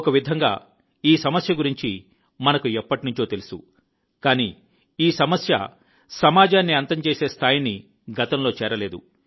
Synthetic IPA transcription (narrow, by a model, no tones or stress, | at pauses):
kɐʋid̪ʱɐŋɡa̰ː | iːsɐmɐsjɐɡuɾiɲt͡ʃi | mɐnɐkuɛpːɐʈinuɲt͡ʃo̞ːt̪elusṵ | kaːniː | iːsɐmɐsjɐ̰ | sɐmaːd͡ʒaːnːiɐnt̪ɐmt͡ʃeːse̞ːst̪ʰaːjini | ɡʱɐt̪ɐmlo̞ːt͡ʃɛːɾɐle̞ːd̪u